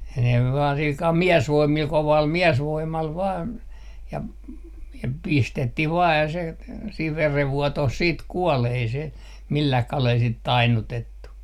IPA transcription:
ne ʋɑːn silkɑl miɛsʋoimːil koʋɑl miɛsʋoimˑɑl ʋɑːn jɑ jɑ pistetːih ʋɑː jɑ se siːʋ ʋereʋːuotoh siːt kuol ei se milːɑh kɑlel sit tɑinːutetːu

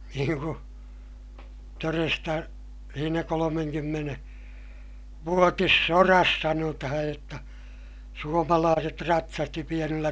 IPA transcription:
niːŋ ku torestɑ siːnæ kolomeŋkymːene ʋuotisːorɑs sɑnotɑhɑj jotːɑ suomɑlɑːset rɑtsɑsti pienilːæ

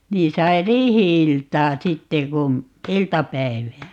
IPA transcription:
niːn sɑi riːhiiltɑː sitːe kun̞ iltɑpæi̯ʋæː

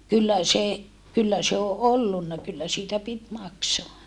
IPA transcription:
kylːæ se kylːæ se o ʔolːunːɑ kylːæ siːtæ pit mɑksoɑ

